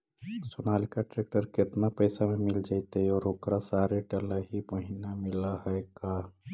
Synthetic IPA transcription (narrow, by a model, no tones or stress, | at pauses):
sonalikaʈɾek̚ʈəɾ̚ket̪napəjsamemild͡ʒajt̪eiɔːɾokɾasaɾeʈələɦipəɦinamiləɦəeka